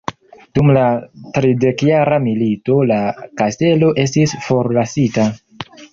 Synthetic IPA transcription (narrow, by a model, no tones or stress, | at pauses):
d̥umlatɾide̞kjaɾamilito̞lakaste̞lo̞ʔe̞s̬tisfo̞ɾlasita